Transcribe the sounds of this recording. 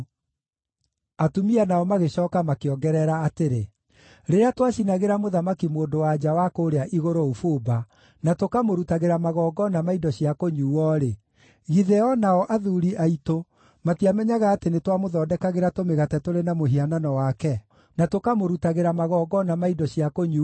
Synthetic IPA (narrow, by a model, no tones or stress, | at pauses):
atumianaɔmaɣeɕɔːkamakeɔɡɛɾɛɾaːteɾe | ɾeɾeatwaɕinaɣeɾamoðamakimoːndowad͡ʑawakoːɾeaʔiɣoɾoofoba | natokamoɾutaɣeɾamaɣɔːɡɔnamaidɔɕiakoɲuːwɔɾe | ɣiðɛɔnaɔʔaðuɾiʔaito | matiamɛɲaɣaːtenetwamoðɔːdɛkaɣeɾatomeɣatɛtoɾenamoɦiananɔwakɛ | natokamoɾutaɣeɾamaɣɔːɡɔnamaidɔɕiakoɲu